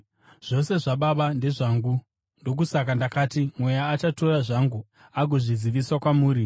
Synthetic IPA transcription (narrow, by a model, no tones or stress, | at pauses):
ʐ̥o̞se̞ʐaɓaɓande̞ʐaŋɡu | ndo̞k̬usak̬andakaːtimwe̞jaːt͡ʃato̞raʐaŋɡu | aɡʱoʐiziʋiswakwamuːɾi